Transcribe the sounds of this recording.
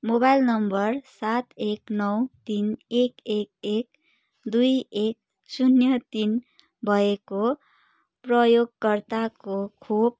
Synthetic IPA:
mobajlnʌmbʌrsat̪eknʌwt̪inekek̚ek̚ | d̪ujek̚ | sunjʌt̪in | bʱʌeko | prʌjoɡ̚kʌrt̪akokʰob̚

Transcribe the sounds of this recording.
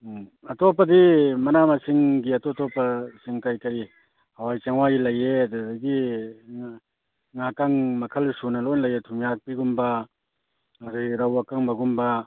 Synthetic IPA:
ɐtɔpɐdimɐnamasiŋɡiɐtɔtɔpɐsiŋkajkɐɾi | hɐwajt͡ʃaŋwajilɐjeɐdudɐɡi | ŋakaŋmɐkʰɐlsunɐlɔjnlɐjetʰumjak̚piɡumbɐ | ŋaɾajɾɐwakaŋbɐɡumbɐ

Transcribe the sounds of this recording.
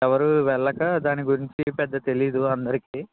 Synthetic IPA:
ɛʋɐɾuʋɛɭːɐkɐd̪aːniɡuɾiɲt͡ʃipɛd̪ːɐt̪e̞lijɐd̪uɐnd̪ɐɾikiː

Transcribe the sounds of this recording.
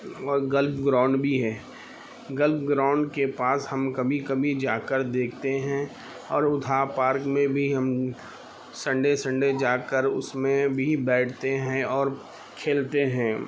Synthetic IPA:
ɔːɾɡəlpɡɾaːʊɳɖbʱiɦɛː | ɡəlpɡɾaːʊ̃ɳɖkepaːshɐmkɐbʱikɐbʱid͡ʒaːkəɾd̪eːkʰt̪eɦɛ̃ | ɔːɾʊd̪ʱapaːɾkmẽbʱiɦɐm | sɐ̃ɳɖesə̃ɳɖed͡ʒaːkəɾʊ̰smẽbʱibɛːʈʰt̪eɦɛ̃ɔːɾ | kʰeːlt̪eɦɛ̃ː

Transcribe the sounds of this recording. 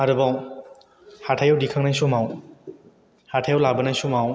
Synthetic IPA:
aɾɯbaw | hatʰajawdikʰaŋnajsumaw | hatʰajawlabənajsumaw

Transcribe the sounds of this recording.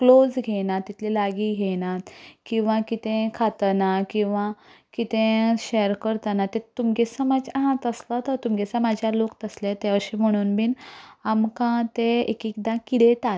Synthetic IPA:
klod͡zɡʱɛnat̪ːit̪ʰlilaɡiːɡʱɛnat̪kĩw̃ʋãkit̪ẽkʰat̪nakĩw̃ʋa | kit̪ẽɕeəɾkəɾt̪anat̪et̪umɡesamad͡ʑaɦãt̪əslət̪əɾt̪umɡɛsamad͡ʑʱjalokt̪əslet̪jaʋəɾɕim̤əɽ̃uːnbinamkãt̪eḛkikd̪ãkiɽet̪a

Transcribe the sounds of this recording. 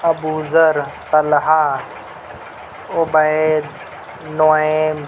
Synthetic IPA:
ɐbuːzəɾt̪ɐlɦaː | ʊbəed̪ | noem

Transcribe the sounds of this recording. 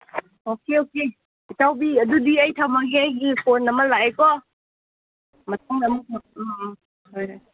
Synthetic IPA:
okeoke | itʰawbiɐdudiəjtʰawmaɡiəjɡipʰonɐmɐlaakɔ | mɐtʰaŋamata | hojoj

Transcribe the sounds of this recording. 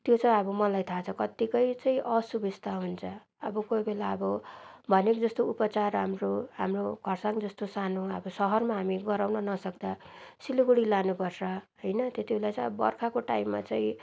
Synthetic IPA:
t̪jot͡saĩʌbʌmʌlajt̪ʰat͡sʰʌkʌt̪ikʌjt͡saĩʔʌsubid͡zt̪ʰaɦunt͡sʰʌ | ʌbʌkojbʱelaʌbʌbʱʌnekd͡zʌst̪oupʌt͡sarɦamroɦamroɡʱʌrsaŋd͡zʌst̪osanoʌ̰bʌsʌɦʌrmaɦamiɡʌɾawnʌnʌsʌkd̪asiluɡuɽilanupʌrsʰʌɦʌjnʌt̪jet̪ibʱelat͡sʌbbʌ̰rkʰakoʈaimːa̰t͡saĩ

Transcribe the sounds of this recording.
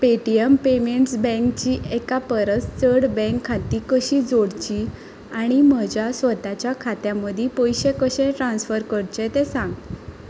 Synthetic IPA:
peʈijempemeɳʈsbɛ̃ŋkt͡ɕiːʔekapəɾət͡st͡səɽbɛ̃ŋkʰːat̪ikəɕiːd͡zoɽt͡ɕi | aɽ̃im̤əd͡ʑjasʋət̪at͡ɕjakʰat̪jãməd̪ʱipojɕekəɕẽʈɾãnsfəɾkəɽt͡ɕet̪esãŋɡ

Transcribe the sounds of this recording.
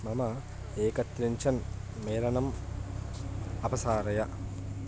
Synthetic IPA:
mɐmɐ | eːkɐt̪ɾiɲt͡ʃɐn | meːɾɐnɐm | ɐpɐsaːɾɐjɐ

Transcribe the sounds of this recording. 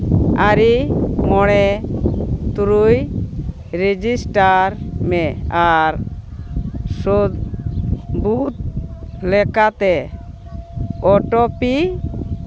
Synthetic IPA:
aɾimɔɽ̃ɛ | t̪uɾuj | ɾed͡ʒisʈaɾmɛaɾ | sod̪ | but̪̚lɛkat̪ɛ | ɔʈɔpi

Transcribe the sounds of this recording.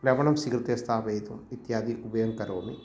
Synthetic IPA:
klɐʋɐɳɐmsikɾɨt̪iɐst̪ʰaːʋɐːt̪umit̪jaːd̪iʔubɐjɐŋkɐɾoːmi

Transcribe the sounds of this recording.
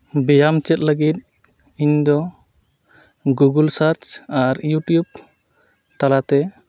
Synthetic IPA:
bɛjamt͡ʃɛt̪̚ləɡit̪̚ | iɲd̪ɔ | ɡuɡəlsaɾt͡ʃaɾjuʈjub̚ | t̪alat̪ɛ

